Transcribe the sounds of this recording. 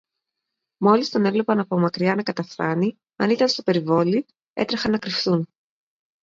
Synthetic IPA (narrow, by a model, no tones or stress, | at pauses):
mo̞list̪one̞vle̞pɐnɐpo̞mɐkɾiɐnɐkɐt̪ɐsθɐni | ɐnit̪ɐnst̪ope̞ɾivo̞li | ḛt̪ɾɐxɐnːɐkɾifθun